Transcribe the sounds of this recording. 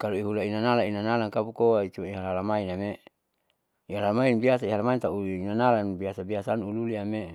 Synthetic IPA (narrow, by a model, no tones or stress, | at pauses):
kaloiɦulainanalainanalaŋkapukoait͡ʃuiɦalalamainame | iɦalamainbiasaiɦalamaint̪auliinanalanbiasabiasanululiame